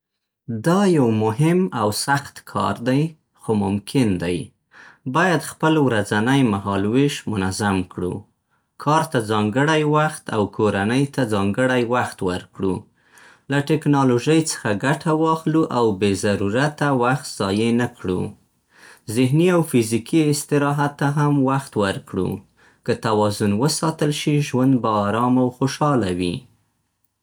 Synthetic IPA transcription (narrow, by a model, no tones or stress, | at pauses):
d̪ɑjawmʊɦɪmawsaxt̪kʰɑ̰ɾd̪aj | xomʊmkʰɪnd̪aj | bɑjad̪xpəlwɾad͡zanajmaɦɑlwɪʃmʊnazamkɽṵ | kʰɑɾt̪ad͡zɑŋɡəɽajwaxt̪a̰wkʰoɾanəjt̪ad͡zɑŋɡəɽajwaxt̪wəɾkɽṵ | laʈɪknɑloʒəjt͡sə̥xaɡaʈʰawɑxluʔawbezaɾuɾat̪awaxt̪z̥ɑjenakɽṵ | zɪɦniawfɪzikiɪst̪ɪɾɑɦat̪ːaɦamwaxt̪wəɾkɽṵ | kət̪awɑzʊnwəsɑt̪əlʃiʒwand̪̚baːɾɑmawxoʃɑlawḭ